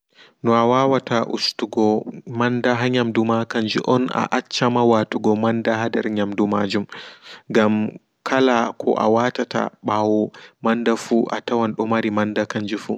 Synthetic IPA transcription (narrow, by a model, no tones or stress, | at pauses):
nɔawaːwataʔṵstuɡɔmandaɦaɲamdumakand͡ʒiʔɔna̰ʔat͡ʃːamawatuɡɔmandaɦadɛɾɲamdumad͡ʒumɡam | kʰalakʰɔ̰ʔa̰watata̰ɓawɔmandafuːʔa̰tawanɗɔmaɾimandakand͡ʒifṵ